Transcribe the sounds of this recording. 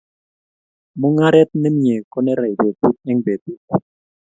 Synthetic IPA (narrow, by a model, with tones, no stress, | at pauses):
mu˦ŋa˦ɾɛ˦t̪̚nɛ˦m̩˦ɲɛ˨kɔ˦nɛ˦ɾa˨i˨be˨tu˦t̚ɛ˦ŋbe˨t̪u˦˨t̚